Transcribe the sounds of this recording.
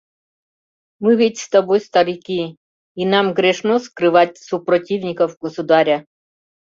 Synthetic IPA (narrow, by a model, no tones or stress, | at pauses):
mɪʋʲitʲst̪ɐbɔjst̪ɐɾikʲi | inɑmɣɾeʃnɔskɾɪʋɑtʲsupɾɔtʲiwnʲikɐwɡɔsʊd̪ɑɾʲɐ